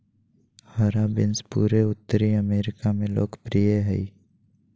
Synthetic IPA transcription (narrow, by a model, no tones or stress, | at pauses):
həɾabɪnspuːɾeʊt̪ːəɾiəmeːɾɪkamẽlo̰ːkpɾijeɦɛi